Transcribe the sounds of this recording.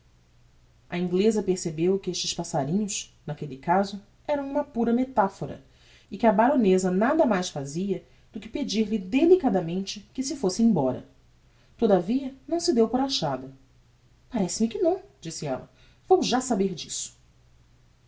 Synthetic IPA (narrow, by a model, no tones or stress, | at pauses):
ɐĩŋɡlezɐpeɾsebewkɪeʃt͡ʃɪʃpasaɾĩɲʊsnakelɪkazʊ | ɛɾɐ̃w̃ũmɐpuɾɐmet̪afoɾɐ̰ | ɪkɪɐbaɾõnezɐnad̪ɐmajsfaziɐ | d̪̥ʊkɪ̥ped͡ʒiɾlɪd̪elikad̪ɐmẽnt͡ʃɪkɪsɪfosɪẽj̃bɔɾɐ̰ | t̪od̪ɐviɐnɐ̃w̃sɪd̪ewpʊɾaʃad̪ɐ | paɾɛsɪmɪkɪnɐ̃w̃d͡ʒisɪɛ̰lɐ̰ | v̥owʒasabeɾd͡ʒisʊ̥